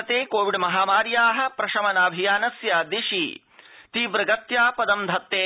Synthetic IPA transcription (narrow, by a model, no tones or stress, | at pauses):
t̪eːkoːʋiɖmɐɦaːmaːɾjaːɦɐ̆pɾɐʃɐmɐnaːbʱijaːnɐsjɐd̪iʃḭ | t̪iːbɾɐɡɐt̪jaːpɐd̪ɐmd̪ʱɐt̪ːeː